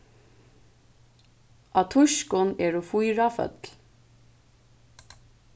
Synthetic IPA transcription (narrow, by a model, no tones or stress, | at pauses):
at̪ʰʊʃkʊnɛːɹʊfujɹafœ̰t̪l